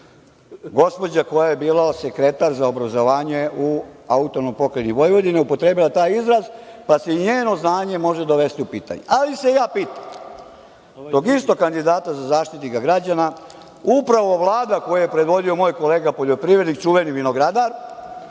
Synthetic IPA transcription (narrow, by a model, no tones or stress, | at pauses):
ɡo̞spo̞d͡ʑako̞jaje̞biːlasekɾe̞t̪aɾzaobɾazo̞ʋaːɲe̞uaut̪o̞nopo̞keniʋo̞jʋo̞d̪ineupo̞t̪ɾe̞ːbilat̪aːjizɾazpaseiɲeːno̞znaːɲe̞mo̞ʒe̞d̪oʋe̞st̪iupiːt̪a̰ɲḛʔalise̞jaːpiːt̪ḁm | d̪o̞ɡist̪o̞kand̪id̪aːt̪azazaːʃt̪it̪iɡaɡɾad͡ʑana | upɾaʋo̞ʋlˠaːd̪ako̞jajepɾed̪ʋo̞d̪io̞mo̞ːjko̞leːɡapo̞ʎopɾiʋɾed̪nik̚t͡ʃuʋeniʋino̞ɡɾad̪aɾ